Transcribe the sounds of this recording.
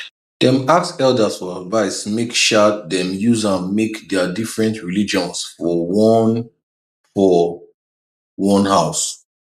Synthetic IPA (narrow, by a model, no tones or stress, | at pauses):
d̥ɛ̃maksɛldəsfɔadvaɪsmekʃat̚dɛ̃mjuzãnmekdɛədifɹɛ̃ntɹilid͡ʒɔ̃nsfɔwɔn | fɔ | wɔ̃nhaʊs